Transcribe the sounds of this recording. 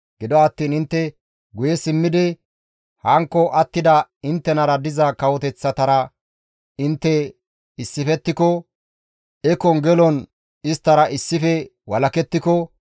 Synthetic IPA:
ɡ̥ɪd̪ɔɐt̪ːiːnɪnt̪ːɛ | ɡʊjɛsɪmːɪd̪ɪ | hɐŋkːɔʔɐt̪ːɪd̪ɐɪnt̪ːɛnɐɾɐd̪ɪzɐkɐwɔt̪ɛt͡sːɐt̪ɐɾɐ | ɪnt̪ːɛ | ɪsːɪfɛt̪ːɪkɔ | ɛkɔŋɡɛlɔn | ɪst̪ːɐɾɐʔɪsːɪfɛwɐlɐkɛt̪ːɪkɔ

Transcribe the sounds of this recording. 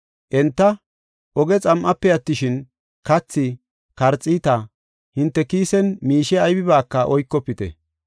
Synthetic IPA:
ʔɛnt̪ːɐ | ʔɔɡɛt͡sʼɐmʔɐpːɛjɐt̪ːɪʃɪn | kɐt͡sːɪ | kɐɾt͡sʼːiːt̪ɐ | hɪnt̪ːɛkiːsɛnmiːʃɛɐjbɪβaːkːɐʔɔjkːɔpːɪt̪ɛ̰

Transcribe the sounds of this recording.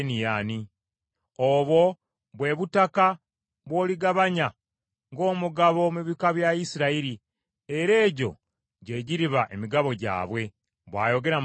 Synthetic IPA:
nijani | oβwo̞ | βwe̞βutaka | βwo̞ːliɡaβaɲa | ŋɡo̞ːmuɡaβo̞muβikaβjaisiɾaiɾi | e̞ɾe̞ːɟo̞̰ | ɟe̞ːɟiɾiβaʔe̞miɡaβo̞ɟa̰ːβwe̞ | βwa̰ːjo̞ɡe̞ɾa

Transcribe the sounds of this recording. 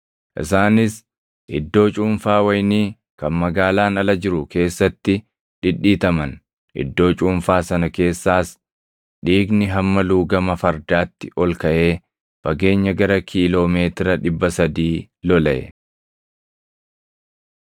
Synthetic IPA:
ʔɪ̰saːnɪs | ʔɪd̪ːo̞ːt͡ʃʼuːmfaːwɐjniː | kɐnmɐɡaːlaːnɐlɐd͡ʒɪɾʊke̞ːsːɐt̪ːɪ | ᶑɪᶑːiːt̪ɐmɐn | ʔɪ̰d̪ːo̞ːt͡ʃʼuːmfaːsɐnɐke̞ːsːaːs | ᶑiːɡnɪɦɐmːɐluːɡɐmɐfɐɾd̪aːt̪ːɪʔɔlkɐʔe̞ː | fɐɡe̞ːɲːɐɡɐɾɐkʰiːlo̞ːme̞ːt̪ɪɾɐᶑɪbːɐsɐd̪iː | lɔlɐʔɛ̰

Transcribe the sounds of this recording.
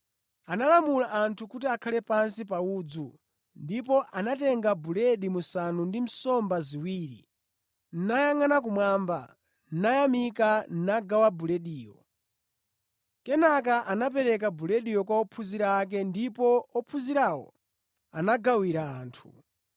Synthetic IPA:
analamulaʔːntʰukutiakʰalɛpansipauːd͡zu | ndip̬ɔʔanatɛŋɡabulɛɗimusanundim̩sɔmbaziwiːɾḭ | n̩najaŋanak̬umwamba̰ | n̩najamikan̩naɡawabulɛɗiːjɔ | kɛnak̬aʔanap̬ɛɾɛk̬abulɛɗijɔkwaɔpʰuziɾaːk̬ɛndipɔɔpʰuziɾawɔ̰ | anaɡawiɾaːntʰu̥

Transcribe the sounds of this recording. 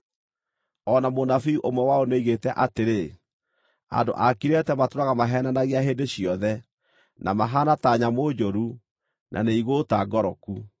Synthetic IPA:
ɔnamonafiuʔomwɛwaoneiɣetɛʔateɾe | a̰ndo̰ʔakiɾɛtɛmatoɾaɣamaɦɛnanaɣiaɦeːndeɕiɔðɛ | nʔamaɦanataɲamod͡ʑoɾu | nʔa̰neiɣotaɡɔɾɔku

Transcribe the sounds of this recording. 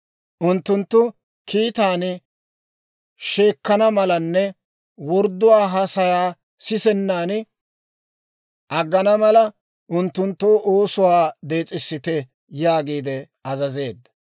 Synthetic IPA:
ʔʊnt̪ːʊnt̪ːʊ | kʰiːt̪aːn | ʃeːkːɐnɐmɐlɐnːɛ | wɔɾd̪ːʊwaːɦɐsɐjaː | sɪsɛnːaːn | ʔɐɡːɐnɐmɐlɐ | ʔʊnt̪ːʊnt̪ːoːʔoːsʊwaːd̪e̞ːt͡sʼɪsːɪt̪ɛ | jaːɡiːd̪ɛ | ɐzɐze̞ːd̪ːɐ

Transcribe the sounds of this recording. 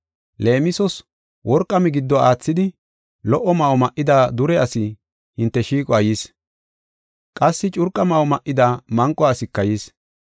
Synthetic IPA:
le̞ːmɪsɔs | wʔɔɾkʼːɐmɛɡɪd̪ːɔaːt͡sːɪd̪ɪ | lɔʔɔmɐɔmɐʔːɪd̪aːd̪ʊɾɛɐsɪ | hɪnt̪ːɛʃiːkʼɔɐjiːs | kʼɐsːɪt͡ʃʼʊɾkʼɐmɐɔmɐʔɪd̪aːmɐŋkʼːɔɐsɪkːɐjiːs

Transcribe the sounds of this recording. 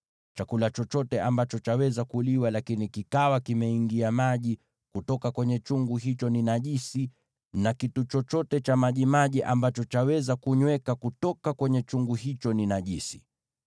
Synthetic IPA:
t͡ʃakulat͡ʃɔt͡ʃɔtɛambat͡ʃɔt͡ʃawɛzakuliwalakinikikawakimɛiŋɡiamaʄi | kutɔkakwɛɲɛt͡ʃuŋɡuɦit͡ʃɔninaʄisi | nakitut͡ʃɔt͡ʃɔtɛt͡ʃamaʄimaʄiʔambat͡ʃɔt͡ʃawɛzakuɲwɛkakutɔkakwɛɲɛt͡ʃuŋɡuɦit͡ʃɔninaʄisi̥

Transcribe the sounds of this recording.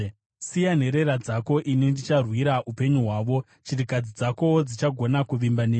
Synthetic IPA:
sijan̤e̞ɾe̞ɾad͡zako̞ʔinindit͡ʃarwiɾaʔupe̞ɲuɦwaːʋo̞ | t͡ʃirikad͡zid͡zako̞d͡zit͡ʃaɡʱo̞nakuʋimbaneː

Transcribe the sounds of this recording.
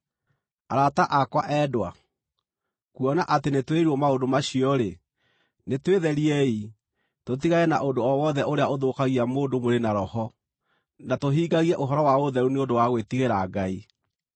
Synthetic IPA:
aɾataʔakwaʔɛdwa | kuɔnaʔatenetweɾuɔmaodomaɕiɔɾe | netweðɛɾiɛi | tot̬iɣaɛnaʔondoɔwɔðɛʔoɾeaoðokaɣiamoːdomoɾenaɾɔhɔ | natoɦiːɡaɣiɛʔoɦɔɾɔwaoðɛɾuneodowaɣwetiɣeɾaːɡai

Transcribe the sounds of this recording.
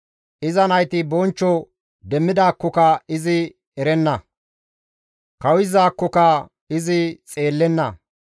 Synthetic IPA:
ʔɪzɐnɐjt̪ɪbɔnt͡ʃːɔ | d̪ɛmːɪd̪aːkːɔkɐɪzɪ | ɛɾɛnːɐ | kɐwɪzaːkːɔkɐ | ɪzɪt͡sʼe̞ːlːɛnːɐ̰

